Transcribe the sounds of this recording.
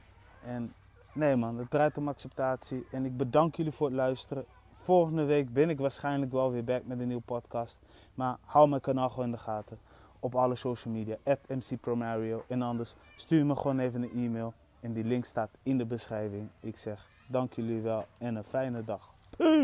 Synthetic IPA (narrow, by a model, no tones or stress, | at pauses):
ʔɛnː | ejmɑnət̚drɛjtomaksɛp̚taːtsiɛnɪk̚bədɑŋkjəlifʊːətlœɥstərə | folxəndəʋejkbɪnɪk̬ʋaːɹsχɛjnləkʋɛlˠʋɪbɛk̚mɛtəniwəpɔtkɑst | maɹhawlˠmɛjkanaːlˠxoɪndəχaːtə | ɔpɑləsowʃəl̩ˠmidijaʔɛtɛmsipromaɹiolʔɛnɑndəɹsː | tyːjməxoːneːvənənʔiːmeːlˠ | ɛndilɪŋktstaːtɪndəbəsrɛjvɪŋɪksɛx | dɑŋkjəliʋɛlˠɛnəfɛjnədɑxpʰ